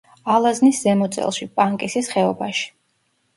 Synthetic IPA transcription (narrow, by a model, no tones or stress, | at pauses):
alˠazniszɛmɔt̪sʼɛ̰lˠʃipʼaŋkʼisisχɛɔbaʃi̥